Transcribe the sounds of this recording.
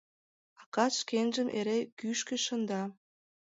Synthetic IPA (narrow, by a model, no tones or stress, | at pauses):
ɑkɑʃkenʒə̆mʔeɾekyʃkeʃə̆nd̪ɑ